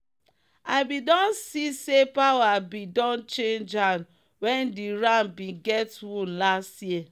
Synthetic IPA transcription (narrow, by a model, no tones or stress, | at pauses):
aɪbidɔ̃nsisepawabidɔ̃nt͡ʃẽnd͡ʒãn | wɛ̃ndiɹãnbĩɡɛtwũnlastji